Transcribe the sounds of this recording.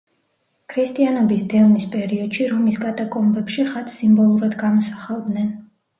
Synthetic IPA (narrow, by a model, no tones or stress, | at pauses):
kʰɾist̪ʼianɔbisd̪ɛlnispʼɛɾiɔd̪̥ʃiɾɔmisɡad̪akʼɔmbɛpʃiχat̪ʰsimbɔlˠuɾad̪ɡamɔsaχalˠd̪nɛn